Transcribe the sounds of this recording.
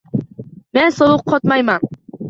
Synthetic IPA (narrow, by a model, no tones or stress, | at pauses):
mensolˠuq̚qʰɒt̪majman